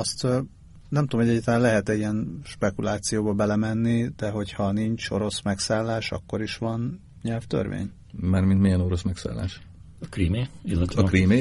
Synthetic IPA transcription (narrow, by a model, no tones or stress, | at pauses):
ɒst̪ː | nɛmt̪omhoɛɟːaːt̪lanlɛɦɛt̪ɛiɛnʃpɛkulaːt̪sijoːbɒbɛlɛmɛnːid̪̥ɛɦo̞chɒniɲt͡ʃo̞̰ɾo̞smɛksaːlːaːʃɒ̰kːo̞ɾiʃʋɒn | ɲɛlft̪ø̰rʋḛːɲ | maːrmint̪mejɛno̞ɾosmɛksa̰ːlːa̰ːʃ | ɒkriːmeilːɛt̪ɒɛkriːmeː